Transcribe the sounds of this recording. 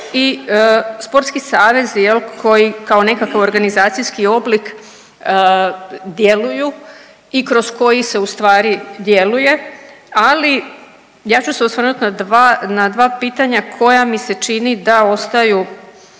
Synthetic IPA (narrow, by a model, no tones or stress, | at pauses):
i | spo̞ɾt̪skisaːʋe̞zjelkʰo̞jikaone̞kakaʋo̞ɾɡanizaːt̪sijskio̞blik | d̪je̞luju | ikɾo̞sko̞jise̞ust̪ʋaːɾid̪je̞luje̞ali | jaːt͡ɕuseosʋəɾnut̪nad̪anad̪ʋaːpiːt̪aɲakʰo̞jamise̞t͡ʃinid̪ao̞st̪aju